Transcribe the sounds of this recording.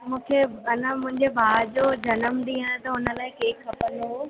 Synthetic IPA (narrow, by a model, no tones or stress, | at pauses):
mũːkʰeɐnə̃mʊ̃ɪ̃ɲd͡ʑebʱaːɾd͡ʑoːd͡ʑɐnəmɗ̪ĩːaɪ̃t̪ɐɦʊnə̆laːɪ̃keːkxʰɐpənd̪o